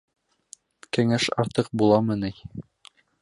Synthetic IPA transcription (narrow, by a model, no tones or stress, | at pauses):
kɘ̆ŋæʃɑ̰ɾt̪ɤq̚bulˠɑmɤ̆nɘj